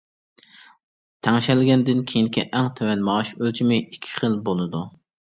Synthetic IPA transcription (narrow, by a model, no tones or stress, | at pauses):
t̪ʰæŋʃɛlɪɡʲɛnd̪ɪnkʲʰejinɪkʲʰɛʔɛŋt̪ʰɛwɛnmɑʁɑʃølt͡ʃʰimɪikʲʰːi̥χəlbolˠɨd̪u